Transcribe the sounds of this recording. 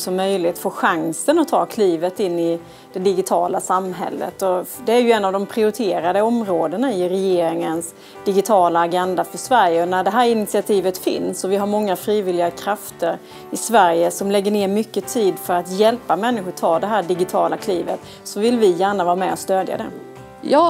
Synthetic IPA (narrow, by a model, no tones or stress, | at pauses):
sɔmːœjlɪt̪foːɧaŋsənɔt̪ʰːɑ̰ːkʰliːvət̪ɪnːɪ | d̪̥ɛd̪ɪɡɪt̪ʰɑːlasamɦɛ̰lːə̰t̪ɔd̪ɛæɾjɵɛnːavd̪ɔmpʰɾɪʊɾɪt̪ʰeːɾad̪əɔmɾoːd̪ənaɪɾɛjeːɾɪŋəns | d̪̥ɪɡɪt̪ʰɑːlaːɡɛnd̪afœʂvæɾjəɔnæɖɛɦæːɾɪnɪt̪sɪat̪ʰiːvət̪fɪ̰nsɔvɪɦaɾmɔŋːafɾiːvɪlɪɡakʰɾaft̪əɾ | ɪsvæɾjəsɔmlɛɡːəneːɾmʏkːət̪ʰiːd̪fœɾat̪jɛlpamɛnːɪɧʊʈ̪ʰɑːd̪ɛɦæːɖɪɡɪt̪ʰɑːlakʰliːvət̪ | sɔvɪlvɪjæːɳavɑːɾamɛ̰ɔst̪øːd̪ja̰d̪ɛ̰ | jɑː